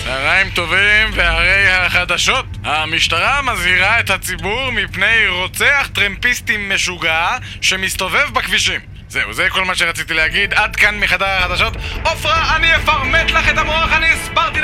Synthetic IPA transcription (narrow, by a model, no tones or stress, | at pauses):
aʁaimt̪o̞vimvehaʁe̞jhaχad̪aʃo̞t̪hamiʃt̪aʁamazhiʁae̞t̪hat͡sibuʁmipne̞jʁo̞t͡seaχt̪ʁempist̪imːeʃuɡa | ʃe̞mist̪o̞ve̞vbakviʃim | zeuzeko̞lmaʃeʁat͡sit̪ileaɡid̪ad̪kanmiχad̪aʁaχad̪aʃo̞t̪ofʁaːniefaʁmet̪laχet̪amoaχaniɛsbaʁt̪i